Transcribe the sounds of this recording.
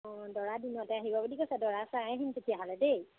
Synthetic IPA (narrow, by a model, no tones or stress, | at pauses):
ɔdɔɹadinɔtɛaɦibɔbulikojsɛdɔɹasaɛɦinpetiaɦalɛdej